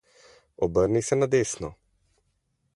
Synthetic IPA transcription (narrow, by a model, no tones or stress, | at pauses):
ɔbəɾnisɛnad̪eːsnɔ